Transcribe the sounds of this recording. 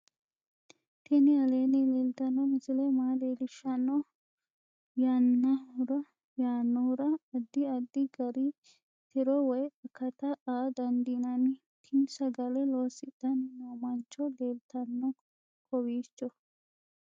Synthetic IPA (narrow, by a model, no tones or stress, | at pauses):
t̪ɪnɪɐleːnɪleːlt̪ɐnːɔmɪsɪlɛmaːleːlɪʃːɐnːɔ | jaːnːɐʊɾɐ | jaːnːɔhʊɾɐɐd̪ːɪɐd̪ːɪɡɐɾɪ | t̪ɪɾɔwɔjɐkːɐt̪ɐaːd̪ɐnd̪inɐnɪ | t̪ʰɪmsɐɡɐlɛloːsɪt̪ːɐnnɐmɐnt͡ʃːɔleːlt̪ɐnːɔ | kʰɔwiːt͡ʃːɔ